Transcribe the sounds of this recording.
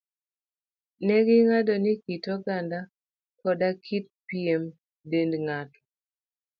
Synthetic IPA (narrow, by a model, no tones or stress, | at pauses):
nɛɡɪŋadɔnikitɔɡanda | kɔdakʰit̚piem | dendŋatɔ̥